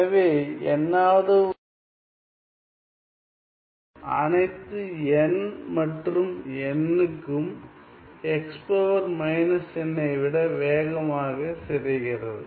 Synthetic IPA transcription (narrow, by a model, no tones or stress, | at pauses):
ɐʋeːɛ̰nːaːðɯ | ɐ̰nɐɪt̪ːɯɛnmɐʈrɯmɛnːɯkːɯm | ɛkspoːʋɐɾmɐɪnɐsɛnːɐɪʋɪɽɐʋeːɣɐmaːɣɐsɛɾɪɣɪrɐðɯ